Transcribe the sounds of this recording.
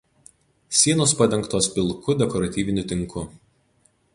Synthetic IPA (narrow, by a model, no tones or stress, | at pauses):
sʲiɛnoːspɐd̪ʲɛŋˑkt̪oːspʲɪlˠkʊd̪ʲɛkɔɾɐt̪ʲiːʋʲɪnʲʊt̪ʲɪŋkʊ